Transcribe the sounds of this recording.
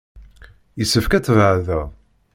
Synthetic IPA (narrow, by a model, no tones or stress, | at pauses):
jəsːəfkæt͡sːəvʕðæ